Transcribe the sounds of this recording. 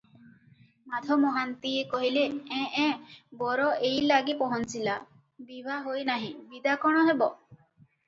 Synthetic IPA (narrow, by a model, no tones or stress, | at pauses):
mad̪ʱɔmɔɦant̪iekɔɦileɛ̃ʔɛ̃bɔɾɔʔejlaɡipɔɦɔnt͡ʃila | bibʱaɦojnaɦĩbid̪akɔɽ̃ɔɦebɔ